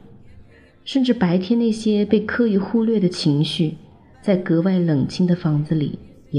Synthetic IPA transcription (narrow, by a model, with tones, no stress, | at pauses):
ʂə˥˧nʈ͡ʂɻ̩˥˩pa˧˥ɪt̪ʰjɛ˥nna˥˩ɪɕjɛ˥pe˥˧ɪkʰɤ˥˧y˥˩xu˥˧lɥɛ˥˩d̪ə˩t͡ɕʰi˧˥ŋɕy˥˩ | t͡sa˥˩ɪkɤ˧˥wa˥˩ɪlɤ˨˩ŋt͡ɕʰi˥˩ŋd̪ə˨fɑ˧˥ŋd͡zɹ̩˧lḭ˨˩˦ | ɛ˨˧